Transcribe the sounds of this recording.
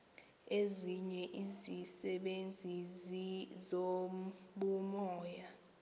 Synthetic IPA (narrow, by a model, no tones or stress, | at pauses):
eziɲɛʔizisɛɓend͡zʱi | zoɓumɔːja